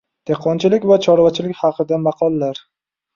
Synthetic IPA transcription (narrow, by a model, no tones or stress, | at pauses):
d̪̥eqʰːɒnt͡ʃɪlɪkʲvat͡ʃʰɒɾvat͡ʃʰɪlɪkʲχɑqʰɨd̪amɑqʰɒlˠːaɾ